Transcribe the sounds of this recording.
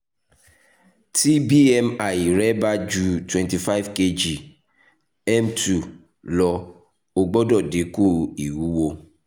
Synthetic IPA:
tʰi˦bi˦ɛ˦ma˨jɾɛ˦ba˦d͡ʒu˦twɛ̃˨nti˨fa˦ɪ˦vke˦d͡ʒi˨ | ɛ˦mtu˨ | lɔ˨ | o˨ɡ͡bɔ˦dɔ˨de˨ku˦˨i˨wu˦wo˦

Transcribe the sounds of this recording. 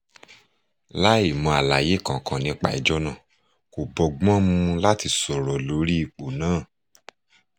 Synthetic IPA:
la˦i˦˨mɔ̃˧˨a˨la˨je˨˦kã˨kã˨nĩ˧˦k͡pa̰˨i˨d͡ʒɔ˦nã˦˨ | ko˨bɔ˨ɡ͡bɔ̃˦mũ˧la˦ti˧sɔ˨ɾɔ˨lo˨˦ɾi˦i˧˨k͡po˨nãː˨˦˨

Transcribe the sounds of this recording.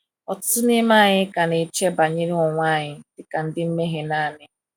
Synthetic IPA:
ɔ˨ttʊ˦nɪ˦ma˦˨ɲɪ˦ka˨ne˨t͡ʃe˦ba˨ɲe˦ɾi˦ɔ˨ŋʷa˦˨ɲɪ˦dɪ˨ka˨n̩˦dɪ˦m̩˦me˦ɦe˨naː˦˨nɪ˦

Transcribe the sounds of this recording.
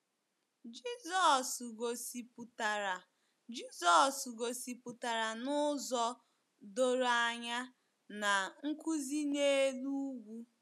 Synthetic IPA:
d͡ʒi˦zɔ˨sɡo˨si˨pu˨ta˨ɾa˨ | d͡ʒi˦zɔ˨sɡo˨si˨pʊ˨ta˨ɾa˨nʊ˦zɔ˦ | do˦ɾa˦˨ɲa˦ | na˨ŋ̩˦ku˦zi˦ne˦lu˦ɡʷu˦

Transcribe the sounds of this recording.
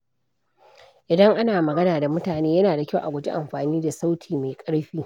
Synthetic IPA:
ʔɪ˨dɐ˦ŋʔa˦naː˨mɐ˨ɡɐ˦naː˨da˨mʊ˦taː˨neː˦jɐ˦naː˨da˨kʲa˦wʔa˨ɡʷʊ˨d͡ʒi˦ʔa˨mɸaː˨niː˦da˨sa˦wtʰiː˨ma˨jkʼɐ˦ɽɸiː˦

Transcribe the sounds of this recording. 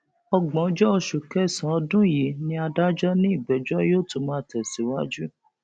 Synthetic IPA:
ɔ˧ɡ͡bɔ̃˨˦d͡ʒɔ˦ɔ˧ʃu˨kɛ˦˨sã˨˦ɔ˧dũ˦˨ji˨˦nĩ˧˦a˧da˦d͡ʒɔ˦nĩ˦i˦˨bɛ˨˦d͡ʒɔ˦joː˦˨tũ˧˦mãː˦˨tɛ˨si˨˦wa˦d͡ʒu˦

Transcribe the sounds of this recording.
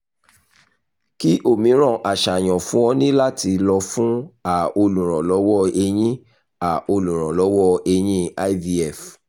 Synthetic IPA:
ki˦ʔo˦˨mĩ˨˦ɾ̃ɔ̃˦˨ʔa˨ʃa˨j̃ɔ̃˨fũ˦wɔ̃˧nĩ˦la˦ti˧lɔ˧fũ˦a˦˨o˧lũ˨ɾ̃ɔ̃˨lɔ˨˦wɔ˦e˧j̃ĩ˦ | a˨o˧lũ˨ɾ̃ɔ̃˨lɔ˨˦wɔ˦e˧j̃ĩ˦a˦vi˧˦ɛ˦˨f

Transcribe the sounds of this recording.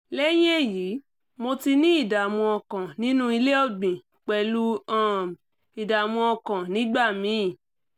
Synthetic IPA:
lɛ˦j̃e˦˨jiː˨˦ | mo˧ti˧nĩ˦i˦˨da˨a˨mɔ̃˧ɔ˧kã˨nĩ˦nũ˦i˧le˦ɔ˦˨ɡ͡bĩ˨ | k͡pɛ˨˧˨lu˦ã˦˨m | i˨da˨a˨mɔ̃˧ɔ˧kã˨nĩ˨˦ɡ͡ba˦˨mĩ˨˦˨

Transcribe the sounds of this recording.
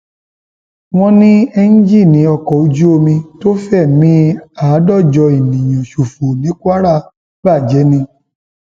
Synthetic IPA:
w̃ɔ̃˧nĩ˦ɛ˧ñ̩˦d͡ʒi˦˨nĩ˨˦ɔ˧kɔ˨u˧d͡ʒu˦o˧mĩ˧to˦fɛ˦˨mĩ˦a˨˦dɔ˦˨d͡ʒɔ˧i˨nĩ˨j̃ɔ̃˨ʃu˨fu˨nĩ˨˦ku˦a˦ɾa˦˨ | ba˦˨d͡ʒɛ˨˦nĩ˧

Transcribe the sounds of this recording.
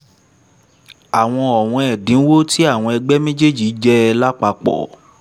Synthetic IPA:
a˨w̃ɔ̃˧ɔ˨w̃ɔ̃˧ɛ˨dĩ˨˦wo˦ti˦a˦˨w̃ɔ̃˧ɛ˧ɡ͡bɛ˦mẽ˦d͡ʒe˦˨d͡ʒi˨˦d͡ʒɛ˦˧la˦k͡pa˧k͡pɔ̰˨

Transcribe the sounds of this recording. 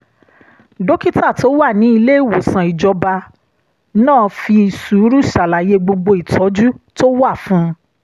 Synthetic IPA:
do˦ki˦ta˦˨to˦wa˦˨nĩ˨˦i˧le˦i˦˨wo˨sã˨i˨d͡ʒɔ˧ba˧ | nãː˦˨˧fi˧i˨su˨˦ɾu˦ʃa˨la˨je˨˧ɡ͡bo˧ɡ͡bo˧i˨tʰɔ˨˦d͡ʒu˦to˦wa˦˨fũ˦

